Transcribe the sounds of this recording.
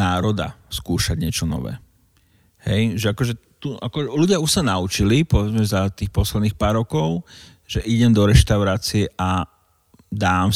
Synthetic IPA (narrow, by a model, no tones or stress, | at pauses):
aːɾɔd̪a̰skuːʃaɟɲɪɛt͡ʃɔnɔ̰ʋɛ̰ː | hɛjʒɛakɔʒɛt̪uʔakɔluɟɪauʃsanaut͡ʃilipɔʋɛd͡zmɛzat̪iːxpɔslɛd̪niːxpaːɾːɔkɔʊ | ʒɛʔiɟɛmd̪ɔɾɛʃt̪aʊɾaːt͡siɛʔa | d̪aːm